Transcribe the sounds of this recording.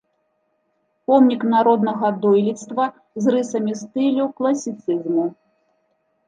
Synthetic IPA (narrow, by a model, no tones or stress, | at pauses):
pɔmnʲiknaɾɔd̪nɐɣɐd̪ɔjlʲit̪st̪vɐ | zrɨsɐmʲist̪ɨlʲuklˠɐsʲit̪sɨzmu